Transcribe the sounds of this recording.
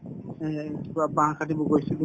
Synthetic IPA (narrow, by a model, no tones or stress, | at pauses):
kibabãɦkʰatibɔɡojsɛɡi